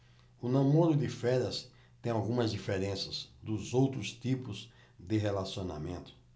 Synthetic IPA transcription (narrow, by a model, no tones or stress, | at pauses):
ʊnɐ̃moɾʊd̪ɪfɛɾɐs | t̪ẽj̃awɡũmɐzd̪ifeɾẽsɐzd̪ʊzowt̪ɾʊst̪ipʊz | d̪ɪɦelasiõna̰mẽnt̪ʊ̥